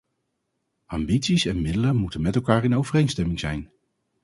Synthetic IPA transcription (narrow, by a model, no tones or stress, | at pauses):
ʔɑmbitsisɛnmɪdələmutənmɛtɛlˠkaːɹɪnowvərejnstɛmɪŋzɛ̰jn